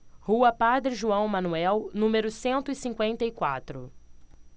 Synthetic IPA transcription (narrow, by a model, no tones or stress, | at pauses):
huɐpad̪ɾɪʒuɐ̃w̃mɐ̃nuɛwnũmeɾʊsẽnt̪ʊisĩŋkwẽnt̪ɐikwa̰t̪ɾʊ